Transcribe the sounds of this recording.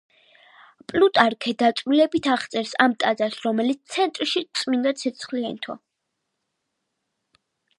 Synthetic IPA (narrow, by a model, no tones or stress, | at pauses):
pʼlut̪ʼaɾkʰɛd̪at̪sʼvilɛbit̪ʰaʁt̪sʼɛɾsamt̪ʼad̪zasɾɔmɛlit̪t̪sʰɛnt̪ʼɾʃit̪sʼmind̪at̪sʰɛt̪sʰχliant̪ʰɔ̰